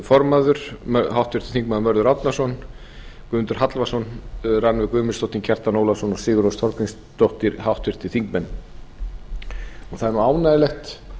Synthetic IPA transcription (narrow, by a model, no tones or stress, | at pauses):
fɔɾmaðʏɾ̥mɦawht̪vɪɾ̥t̪ɪ̥θiŋkmanmœɾðʏɾawt̪nasɔn | kʏnt̪ʏɾ̥ɦat̪lvasɔnranvɪkʏːmɪst̪owt̪incʰɛr̥t̪anoːwlasɔnɔ̥sɪːɣʏɾowst̪ʰɔɾkiŋs | t̪owht̪ɪɾhawht̪vɪɾ̥t̪ɪ̥θiŋkmɛnː | ɔθaðɛɾnuaːwnaðɪlɛxt̪